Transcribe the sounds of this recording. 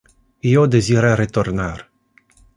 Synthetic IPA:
ijod̪eziɾaɾet̪ornar

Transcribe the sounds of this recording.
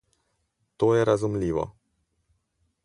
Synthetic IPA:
t̪ojɛɾazumliːʋɔ̰

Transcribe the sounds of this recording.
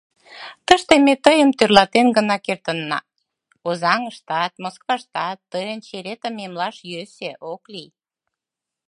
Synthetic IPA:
t̪əʃt̪emet̪əjəmt̪ørlɑt̪enɡənɑkert̪ənːɑ̰ | ozɑŋəʃt̪ɑt̪̚moskvɑʃt̪ɑt̪ːəjənt͡ɕeɾet̪əmemlɑʃjøseʔoklij

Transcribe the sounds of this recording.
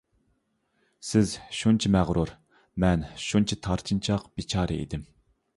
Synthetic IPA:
sɪzʃunt͡ʃʰimæʁɾuɾ | mɛnʃunt͡ʃʰit̪ʰɑɾt̪ʰɨnt͡ʃʰɑqb̥it͡ʃʰɑːɾɨ̰ḭd̪ɪm

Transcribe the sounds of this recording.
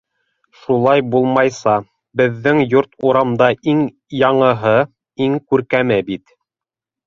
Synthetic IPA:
ʃulˠɑjbulˠmɑjsɑ | bɘ̆ðːɘŋjuɾt̪uɾɑmd̪ɑʔiŋ | jɑɴɤ̆ɦɤ | iŋkʉɾkæmɘbit̪

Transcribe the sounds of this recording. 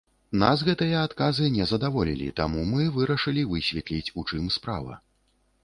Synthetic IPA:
n̪asɣɛt̪ɨjɐat̪kazɨnʲɛzɐd̪avɔlʲḭlʲḭt̪a̰mumɨvɨɾɐʂɨlʲivɨsʲvʲɛt̪lʲit͡sʲut͡ʂɨmspɾa̰vɐ̰

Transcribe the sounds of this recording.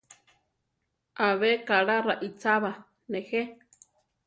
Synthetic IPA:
ʔaβekaɺaraʔit͡saβa | nehe

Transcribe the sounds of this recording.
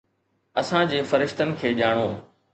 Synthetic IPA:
ɐsãd͡ʑeːfɐɾɪʃt̪ənɪ̆kʰeːʄaːɽ̃oː

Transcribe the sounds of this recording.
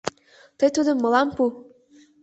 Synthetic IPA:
t̪ɤjt̪ud̪ə̆mːɤ̆lɑmpu

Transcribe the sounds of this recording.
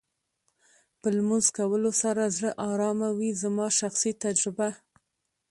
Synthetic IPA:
pəlmʊnzkawəlosaɾazɽəʔɑɾɑmawizamɑʃaxsit̪ad͡ʒɾɪba

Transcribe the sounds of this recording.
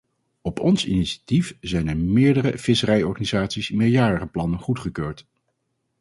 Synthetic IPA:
ɔpʰɔnsḭniʃḁtifzɛjnɛɹmɪːɹdərəfɪsərɛjɔɹχanizaːtsismɪjaːɹəχəplɑnənχutχəkøːɹt

